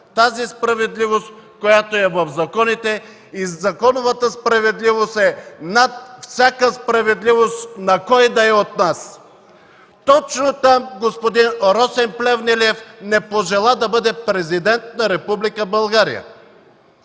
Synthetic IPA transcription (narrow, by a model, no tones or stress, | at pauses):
t̪azispɾɐvɛd̪livost̪ | kojat̪oɛvɐfzɐkɔnit̪ɛ | izɐkɔnovət̪əspɾɐvɛd̪livost̪ɛnat̪̚fsʲakəspɾɐvɛd̪livost̪nɐkɔjd̪ɐɛot̪̚nas | t̪ɔt͡ʃnot̪amɡospod̪inɾɔsɛmplɛvnɛliɛfnɛpoʒɛlˠad̪ɐbɤd̪ɛpɾɛzid̪ɛnt̪̚nɐɾɛpublikəbɐlˠɡaɾḭjə̰